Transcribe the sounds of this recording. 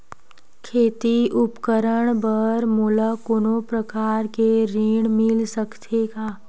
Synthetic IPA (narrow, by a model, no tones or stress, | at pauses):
kʰeːt̪iʊpkəɾəɳ̃bəɾmuləkonõpɾəkaːɾkeɾiːɽ̃mɪlsəkt̪ʰeɡaː